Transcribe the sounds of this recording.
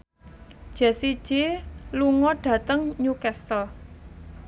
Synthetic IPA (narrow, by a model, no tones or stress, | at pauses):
d̥ʒ̥a̤sid̥ʒ̥eluŋɔɖ̥ä̤t̪əŋɲukɛst̪əl